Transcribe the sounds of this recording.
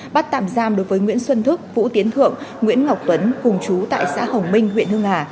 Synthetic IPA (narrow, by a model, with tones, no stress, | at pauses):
ɓa˦˥t̚t̪a̰ː˧˨mzaː˧mɗo˨˦jvəː˨˦jŋwḭ˧˥ənswə˧nt̪ʰɨ˦˥k̚vṵ˧˥t̪i˨˦ənt̪ʰɨ̰˧˨əŋŋwḭ˧˥ənŋa˨˩wk͡p̚t̪wə˨˦nkʊ˨˩ŋ͡mt͡ɕu˨˦t̪a̰ː˧˨jsa̰ː˧˥hə˨˩wŋ͡mmï˧ŋ̟hwḭ˧˨ənhɨ˧əŋhaː˧˩